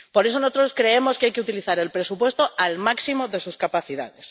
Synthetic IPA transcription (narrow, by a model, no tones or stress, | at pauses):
po̞ɾe̞sonosot̪ɾoskɾe̞emo̞skeajkeut̪iliθaɾelpɾe̞supwe̞st̪oalmaksimoðe̞suskapaθiða̰ðes